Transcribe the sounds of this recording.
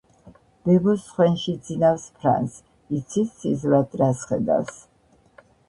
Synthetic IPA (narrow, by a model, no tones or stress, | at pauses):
b̥ɛbɔsχwɛnʃid̪zinafspʰɾa̰ns | it̪sʰisizɾad̪ʼɾasχɛ̰d̪a̰fs